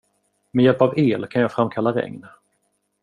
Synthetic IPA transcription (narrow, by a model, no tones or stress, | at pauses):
mɛjɛlpaveːlkʰanjɑːɡfɾamkʰalːaɾɛ̰ŋn